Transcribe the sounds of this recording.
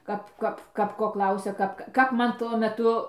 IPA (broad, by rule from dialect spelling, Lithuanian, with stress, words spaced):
ˈkɐp ˈkɐp ˈkɐp koː ˈklˠɐʊsʲɛ ˈkɐp kɐp ˈmɐn tuɔ mʲɛˈtʊ